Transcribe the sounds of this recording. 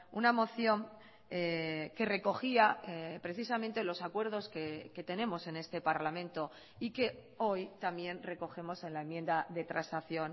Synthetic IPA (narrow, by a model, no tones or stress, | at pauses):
unamo̞θjo̞ŋ | eke̞re̞ko̞xiapɾe̞θisamẽnt̪e̞lo̞sakwe̞ɾðo̞skeke̞t̪e̞nẽ̞mo̞se̞ne̞st̪e̞paɾlamẽ̞nt̪o̞ | ike̞ | o̞jt̪ambje̞nre̞ko̞xe̞mo̞se̞nlae̞mjẽ̞nd̪aðe̞t̪ɾansaθjo̞n